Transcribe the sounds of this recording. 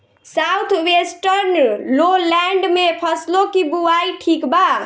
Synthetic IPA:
sawt̪ʰwesʈəɾnlolaɳɖmepʰəslokibuwajʈʰikba

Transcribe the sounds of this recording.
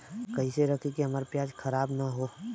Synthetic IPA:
kɐɦiseɾɐkʰikeɦɐmaːɾpjaːd͡ʒkʰɐɾaːbnaɦoː

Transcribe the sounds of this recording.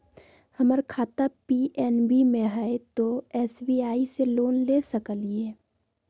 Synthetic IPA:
həməɾkʰaːt̪apiːʔɛːnbimẽɦɛet̪oɛːsbiːaːiseloːnleːsəkəlieː

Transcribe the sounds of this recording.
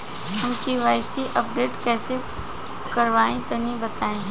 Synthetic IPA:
ɦʊmkiʋaːɪsiʔɐp̚ɖeːʈkɛːse | kɐɾʋaːẽt̪ɐnĩbɐt̪aːẽ

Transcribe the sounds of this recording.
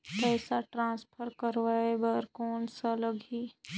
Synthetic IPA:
kɛːsaʈɾãːnspʰəɾkəɾʋaebɐɾkoːnsaləɡʱiː

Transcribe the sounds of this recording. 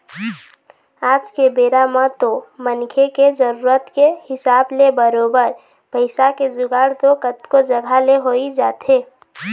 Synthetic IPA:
aːd͡ʒkebeːɾamãt̪omənkʰeked͡ʒəɾuːɾət̪kehɪsaːblebəɾoːbəɾ | pəɪsaked͡ʒʊɡaːɾt̪okət̪kod͡ʒəɡʱaleɦoid͡ʒaːt̪ʰeː

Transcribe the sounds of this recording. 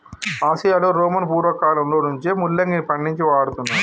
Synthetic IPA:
aːsijaːluɾoːmɐnpuːɾʋɐkaːlɐmloːnuɲt͡ʃemulːɐŋɡipɐɳɖiɲt͡ʃiʋaːɽut̪unːaː

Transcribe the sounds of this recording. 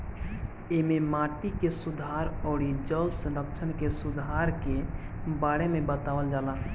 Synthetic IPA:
ememaʈikesud̪ʱaɾɔːɽid͡ʒəlsə̃nɾəkt͡ʃʰənkesud̪ʱaɾke | baɽemebət̪awəld͡ʒala

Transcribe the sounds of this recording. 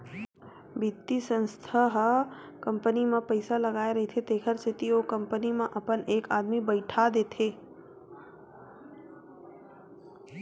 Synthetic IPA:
bit̪ːisə̃nst̪ʰaɦ | kə̃mpənimẽpəɪsaləɡaːeɾɐɦet̪ʰet̪eːkʰəɾsɪt̪iokə̃mpənimẽʔɐpəneːkaːd̪mibəɪʈʰad̪eːt̪ʰeː

